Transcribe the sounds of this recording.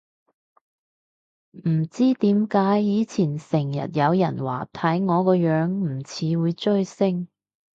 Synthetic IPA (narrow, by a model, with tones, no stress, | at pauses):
m̩˨˩t͡siː˥t̪iː˨˥mkaː˨˥jːiː˨˧t͡sʰiː˨˩nsɪ˨˩ŋjɐ̰˨˩t̚jɐ˨˧wjɐ̰˨˩nwa̰ː˨˩t̪ʰɐ˨˥jŋɔː˨˧kɔː˧jœː˨˥ŋm̩˨˩t͡sʰiː˨˧wuː˨˧jt͡ʃɵ˥ɥsɪ˥ŋ